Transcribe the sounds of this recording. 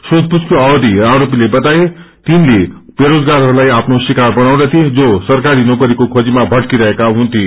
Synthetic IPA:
sot̪̚puskoawd̪iaɾop̬ilebʌt̪ae | t̪inleb̥eɾod͡zɡaɾɦʌɾulajapʰnosikarbʌnaw̃d̪at̪ʰid͡zosʌrkaɾinokʌɾikokʰod͡zimabʱʌɽkiɾʌɦekaɦũnt̪ʰi

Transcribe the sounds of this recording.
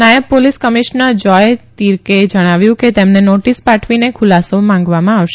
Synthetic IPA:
najəbpoliskəmiʃnəɾd͡ʒɔjt̪iɾked͡ʒəɽ̃aʋjũket̪emnenoʈispaʈʰʋinekʰʊlasomãŋɡʋamãaʋʃe

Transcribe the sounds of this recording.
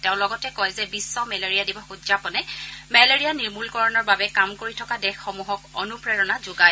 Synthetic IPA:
tɛʊ̃lɔɡɔtɛkɔjzɛbisːɔmɛleɹijadibɔxudzapɔnɛmɛleɹijaniɹmulkɔɹɔnɔɹbabɛkamkoɹitʰɔkadɛxːomuɦɔkonupɹɛɹɔnazuɡaj

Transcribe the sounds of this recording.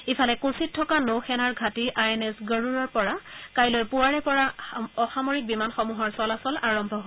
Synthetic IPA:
ifʰalɛkũsitʰːɔkanowxɛnaɹɡʱatiʔajɛnɛsɡəɹuɹɔɹpɔɹakajlojpuwaɹɛpɔɹaɔxamoɹik̚bimanxɔmuɦɔɹsɔlasɔlaɹɔmbʱɔɦ

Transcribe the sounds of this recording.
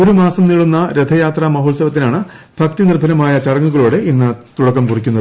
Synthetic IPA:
o̞ɾumaːsɐmniɭːunːɐɾed̪ʱɐjaːt̪rɐmɐɦoːɭsɐʋɐt̪̬ːinaːɳɨ | bʱɐkt̪inirbʱɐnɐmaːjɐt͡ɕɐɽɐŋːuɣɐɭoːɽeinːɨt̪uɽɐkːɐmkurikʲːunːɐðɨ

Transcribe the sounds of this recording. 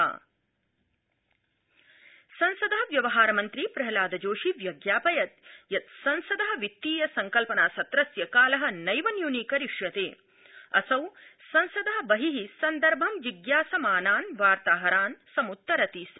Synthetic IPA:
sɐnsɐd̪ɐɦɐʋjɐʋɐɦaːɾɐmɐnt̪ɾipɾɐɦɐlaːd̪ɐd͡ʒoːʃiʋjɐɡjaːpɐjɐt̪̚jɐt̪sɐnsɐd̪ɐɦɐ̆ʋit̪ːiːjɐsɐŋkɐlpɐnaːsɐt̪ɾɐsjɐkaːlɐɦɐ̆nɐjʋɐnjuniːkɐɾiʂjɐt̪eː | ɐ̰sɐwsɐnsɐd̪ɐɦɐ̆bɐɦiɦisɐnd̪ɐɾbʱɐmʋiɡjaːsɐmaːnaːnʋaːɾt̪aːɦɐɾaːnsɐmut̪ːɐɾɐt̪iːs

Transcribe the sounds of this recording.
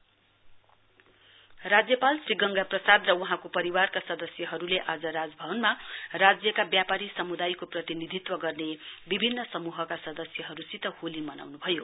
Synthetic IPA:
rad͡zjʌpalsriɡʌŋɡaprʌsad̪rʌwuɦãkopʌɾiwarkasʌd̪ʌsjʌɦʌɾuleʔad͡zʌɾad͡zbʱʌbʌnmarad͡zjʌkabjapaɾisʌmud̪ajkoprʌt̪inid̪ʱit̪wʌɡʌrnebibʱinːʌsʌmuɦʌkasʌd̪ʌsjʌɦʌɾusit̪ʌholimʌna̰wnubʱʌjo

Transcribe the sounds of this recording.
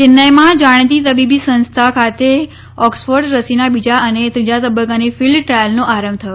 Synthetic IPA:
t͡ʃɪnːəjmãd͡ʒaɽ̃t̪̬it̪əbibisə̃nst̪ʰakʰat̪e | ɔksfoɾɖɾəsinabid͡ʒaənet̪ɾid͡ʒat̪əbəkanefɪlɖʈɾajəlnõʔaɾə̃mbt̪ʰəjo

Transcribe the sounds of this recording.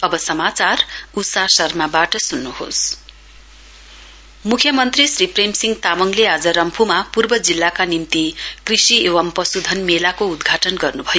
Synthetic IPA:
ʌbʌsʌmat͡sarusasʌrmabaʈʌsunːuho̰s | mukʰjʌmʌnt̪risripremsiŋɡt̪amʌŋlead͡zʌɾʌmpʰumapurbʌd͡zilːakanimt̪ikrisieʋʌmpʌsud̪ʱʌnmelakoud̪ɡʱaʈʌnɡʌrnubʱʌjo

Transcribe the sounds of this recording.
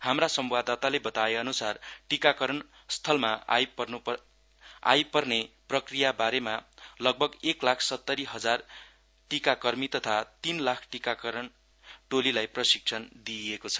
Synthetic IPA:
hamrasʌmbad̪at̪alebʌt̪aeʌnusarʈikakʌɾʌn | st̪ʰʌlmajpʌrnu | a̰jpʌrneprʌkrijabaɾemalʌɡ̚bʱʌɡeklakʰsʌt̪ːʌɾiɦʌd͡zar | ʈikakʌrmit̪ʌt̪ʰat̪inlakʰʈikakʌɾʌn | ʈolilajprʌsik̚sʰʌnd̪iekot͡sʰʌ̥

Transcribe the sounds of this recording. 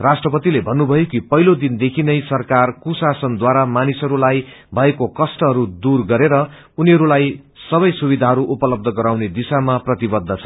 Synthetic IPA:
rasʈrʌpʌt̪ilebʱʌnːubʱʌjokipʌɦilod̪ind̪ekʰinʌjsʌrkarkusasʌnd̪waɾamanisʌɾulaj | bʱʌekokʌsʈʌɦʌɾud̪urɡʌɾeɾʌ | uniɦʌɾulaj | sʌbʌjsubid̪ʱaɦʌɾuʔupʌlʌb̚d̪ʱʌɡʌɾawned̪isamaprʌt̪ibʌd̪ʱːʌt͡sʰʌ

